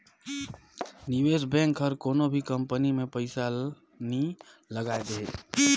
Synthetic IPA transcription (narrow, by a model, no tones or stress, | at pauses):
niʋesbɛ̃ŋkɦəɾkoːnobʱikəmpənimẽpəɪsa | niləɡaed̪ee